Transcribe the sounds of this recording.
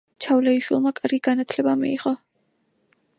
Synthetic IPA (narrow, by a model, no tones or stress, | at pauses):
t͡ʃʰavlɛiʃwilˠmakʼaɾɡiɡ̥anat̪ʰlɛbamḭiʁɔ